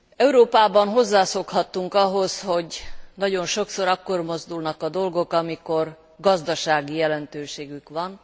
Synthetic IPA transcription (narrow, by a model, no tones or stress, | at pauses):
ɛuɾoːpaːbɒnɦo̞zːaːsokhɒt̪ːuŋkɒɦo̞sho̞ɟnɒɟo̞nʃo̞kso̞ɾɒkːo̞rmo̞zd̪ulnɒkɒd̪o̞lɡo̞kɒmiko̞r | ɡɒzd̪ɒʃaːɡijɛlɛnt̪øːʃeːɡykʋɒn